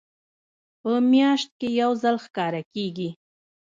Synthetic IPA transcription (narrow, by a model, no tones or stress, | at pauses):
pəmjɑʃt̪̚kejawzalxkɑɾakeɡi